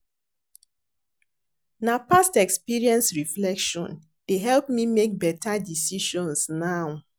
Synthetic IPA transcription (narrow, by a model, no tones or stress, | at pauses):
napastɛkspiɹiɛ̃nsɹiflɛkʃɔ̰̃n | deɦɛlpmimek̚bɛtʰadisiʃɔ̃nsnaʊ